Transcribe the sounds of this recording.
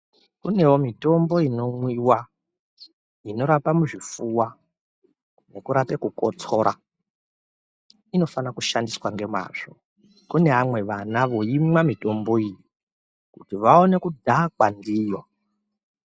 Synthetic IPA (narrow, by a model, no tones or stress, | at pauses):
kune̞womito̞mbo̞ino̞mwiwa | ino̞ɾapamuʐifuwa | ne̞kuɾape̞kuko̰t͡so̞ɾʔa̰ | ino̞fanakuʃandiswaŋɡe̞ma̰ːʐ̥o̞ | kune̞ɦamwe̞ʋanaʋo̞imwamito̞mbo̞iji | kutiʋao̞ne̞kudʱakwandiːjo̞